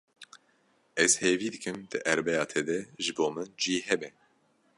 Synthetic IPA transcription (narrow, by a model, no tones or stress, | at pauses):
ɛz̥heːviːd̪ɨkɨmd̪̥ɨʔæɾbɛjɑːt̪ʰɛd̪ɛʒɨboːmɨnd͡ʒiːhɛbɛ